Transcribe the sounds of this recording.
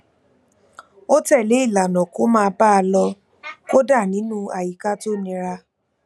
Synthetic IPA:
o˦tɛ˦˨le˨˦i˦˨la˨nɔ̃˨ko˦mãː˦˧ba˦˧lɔ˧ | ko˦da˦˨nĩ˨˦nũ˦a˨ji˨ka˦to˦˨nĩ˧ɾa˧

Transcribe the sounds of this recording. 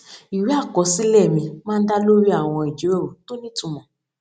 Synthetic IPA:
i˨ɾi˦a˦˨kɔ˧˦si˦lɛ˦˨mĩ˧mãː˦n̩˦da˦lo˦ɾi˦a˦˨w̃ɔ̃˧i˨d͡ʒi˨˦ɾɛ˦˨o˨to˦nĩ˦tũ˧mɔ̃˨

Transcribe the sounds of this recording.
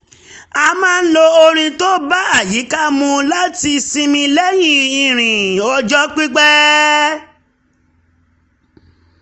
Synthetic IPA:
a˧mãː˦˧n̩˦lo˧o˧ɾ̃ĩ˧to˦ba˦a˦˨ji˨˦ka˦mũ˧la˦ti˧sĩ˧mĩ˧lɛ˦jĩ˦˨ĩ˨ɾ̃ĩ˨ɔ˧d͡ʒɔ˦k͡pi˦ɡ͡bɛ˦

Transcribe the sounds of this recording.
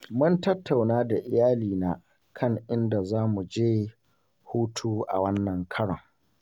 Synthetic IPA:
mʊ˦ntɐ˦tːa˨wnaː˦da˨ʔɪ˨jaː˦liː˨naː˨ | kʰɐ˦ŋʔɪ˦nda˨zaː˦mu˨d͡ʒeː˦ | huː˦tʰuː˦ʔa̰˨wɐ˦nːɐ˨ŋkʰɐ˦ɽɔ̰˨ŋ

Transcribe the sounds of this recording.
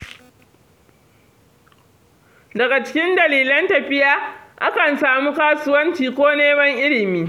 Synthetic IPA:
dɐ˨ɡa˨t͡ʃɪ̥˦kʲɪ˦ndɐ˨liː˨lɐ˦ntɐ˨ɸɪ˦jaː˦ʔa˦kɐ˨nsaː˨muː˦kaː˦sʊ˦wɐ˦nt͡ʃiː˨kʷoː˦neː˦mɐ˦ŋʔɪ˦lɪ˨miː˦

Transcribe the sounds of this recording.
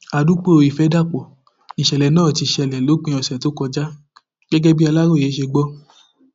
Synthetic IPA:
a˨du˨˦k͡po˦ɾo˨˧i˨fɛ˨˦da˦˨k͡pɔ˨ | i˨ʃɛ˨lɛ˨nãː˦˨ti˧˨ʃɛ˨lɛ˨lo˨˦k͡pĩ˧˦ɔ˧˨sto˨˦kɔ˧d͡ʒa˦ | ɡ̥ɛ˦ɡɛ˦bi˦a˧la˦ɾo˦˨je˨˦ʃe˧ɡ͡bɔ˦

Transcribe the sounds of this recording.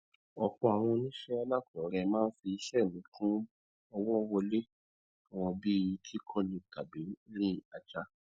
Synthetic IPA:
ɔ˨k͡pɔ˧a˨w̃ɔ̃˧nĩ˦ʃɛ˦a˧la˦˨kɔ˨˦ɾɛ˧mãː˦n̩˦fi˧i˧ʃɛ˦˨lũ˨˦kʰũ˦ | ɔ˧wɔ˦˧wɔ˧le˦ | ɔ˨w̃ɔ̃˧bi˦˨ji˧˦kʰi˦kʰɔ˦lĩ˧˨ka˨be˨˦ɾĩ˦˨a˨d͡ʒa˧˦

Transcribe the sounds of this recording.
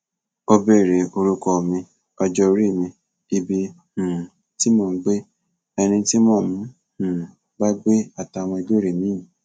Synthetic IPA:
o˧be˦˨ɾe˨˦o˧ɾu˦kɔ˧˨mĩ˧ | ɔ˧d͡ʒɔ˧o˧ɾi˦˨mĩ˧ | i˧bi˧ | hũ˨ | ti˦mɔ̃ː˦˨n̩˦ɡ͡be˦ | ɛ˧nĩ˧ti˦mɔ̃ː˦˨mũ˨˦ | hũ˨ | ba˦ɡ͡be˦a˦˨ta˧˨w̃ɔ̃˧i˧do˦ɾe˨mĩ˨˦ĩ˨

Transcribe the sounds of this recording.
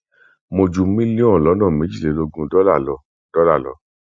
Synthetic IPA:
mo˧d͡ʒu˧˦mĩ˦lĩ˦ɔ̃˦˨lɔ˨˦nã˦˨me˨˦d͡ʒi˦˨le˨˦lo˧ɡũ˧dɔ˦la˦˨lɔ˨˧ | d̥ɔ˦la˦˨lɔ̰˨˧

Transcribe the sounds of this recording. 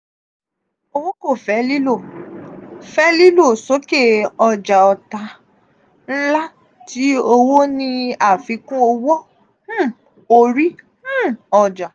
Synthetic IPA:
o˧wo˦ko˦˨fɛ˨˦li˦lo˦˨ | fɛ˦li˦lo˦˨so˨˦ke˦˨ɔ˧d͡ʒa˨ɔ˨ta˧˦ | n̩˦la˦ | ti˨˦o˧wo˦nĩ˧a˦˨fi˨˧˦kũ˦o˧wɔ˦˨˦ | o˧ɾĩ˦ | ɔ˧d͡ʒa˨

